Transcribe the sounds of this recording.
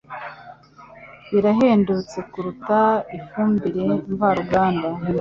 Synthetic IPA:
iɾaɦeːndut͡se̞kuɾutaifuːmbiɾe̞ɱvaɾuɡaːnda

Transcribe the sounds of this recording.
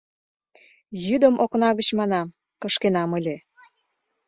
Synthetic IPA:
jyd̪əmʔoknɑɣət͡ɕmɑnɑm | kə̆ʃkenɑməlʲe

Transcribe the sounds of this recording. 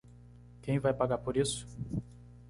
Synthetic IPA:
kẽj̃vajpaɡaɾpoɾisʊ̥

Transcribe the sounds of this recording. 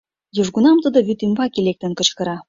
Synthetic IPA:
juʐɡunɑmt̪əd̪ɤ̆βyt̪ymbɑkilek̚t̪ə̆nkə̆t͡ɕkɤ̆ɾɑ

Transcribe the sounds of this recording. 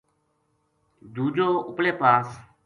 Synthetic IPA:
d̪uːd͡ʒoːʊpleːpaːs

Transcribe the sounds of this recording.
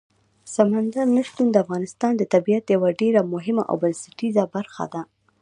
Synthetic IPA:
samand̪aɾnaʃt̪und̪əafɣɑnɪst̪ɑnd̪ət̪abijat̪jawaɖeɾamʊɦɪma̰ʔa̰wbansɪʈizabaɾxa̰d̪a

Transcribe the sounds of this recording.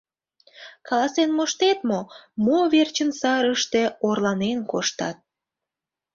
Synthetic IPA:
kɑlɑsenmoʃt̪et̪momoβert͡ɕənsɑɾəʃt̪e̽orlɑnenkoʃt̪ɑt̪̚

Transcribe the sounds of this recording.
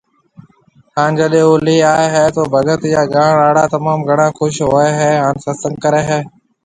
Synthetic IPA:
haːnd͡ʒəɗẽːoːliːaːeɦɛːt̪oːbʱəɡət̪ɪjaːɡaːɳaːɽaːt̪əmaːmɡʱəɽãːxʊʃɦoːeːɦɛːɦaːnsəsə̃ŋɡkəɾeːɦɛː

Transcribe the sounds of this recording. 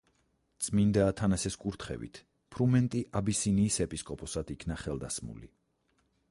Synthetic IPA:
t̪sʼmind̪aːt̪ʰanasɛskʼuɾt̪ʰχɛ̰vḭt̪ʰ | pʰɾumɛnt̪ʼiʔabisiniːsɛpʼiskʼɔpʼɔsad̪ikʰnaχɛlˠd̪asmṵlḭ

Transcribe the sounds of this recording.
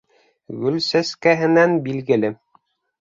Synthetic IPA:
ɡɵlsæskæɦɘ̆nænbilɡɘ̆lɘ

